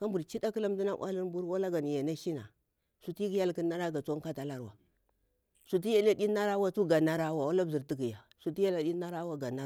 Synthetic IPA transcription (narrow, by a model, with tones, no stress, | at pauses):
ka˦mbu˨ɾt͡ʃi˦da˦ki˦la˦m˦di˦na˦ʔʷa̰˦li˦n˦bu˦ɾwa˦la˦ɡa˨n˨ja˨na˦ʃi˦na̰˨ | su˨ti˦ɡi˦ja˦lki˦na˦ɾa˦ɡa˨t͡sa˦ŋka˦ta˨la˦ɾwa̰˨ | su˨t̬i˦ja˦la˦di˦na˦ɾa˦wa˦tu˦ɡa˨na˦ɾa˦wa˨wa˦la˦bzi˨ɾti˦ɡi˨ja˨ | su˨ti˦ja˦la˨ɗi˦na˦ɾa˦wa˦ɡa˨na˦